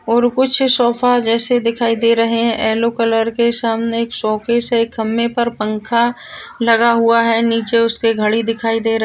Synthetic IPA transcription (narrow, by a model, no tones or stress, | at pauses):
ɔːɾkʊt͡ʃʰsɔːfad͡ʒɛːsed̪ɪkʰaːid̪eːɾɐɦeɦɛ̃ʔɛːlokɐləɾkesaːmneːksɔːkesekɐmːepɐɾpə̃ŋkʰa | lɐɡaɦuaɦɛniːt͡ʃeʊskeɡʱɐɽid̪ɪkʰaːid̪eːɾɐ